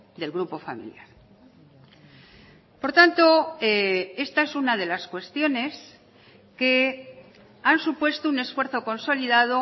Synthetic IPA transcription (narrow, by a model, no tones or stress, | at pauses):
d̪e̞lɣɾupo̞fa̰mḭljaɾ | po̞ɾt̪ant̪o̞ee̞st̪ae̞sunað̞e̞laskwe̞st̪jo̞ne̞s | ke̞ | ansupwe̞st̪oune̞sfwe̞ɾθo̞ko̞nso̞liðað̞o̞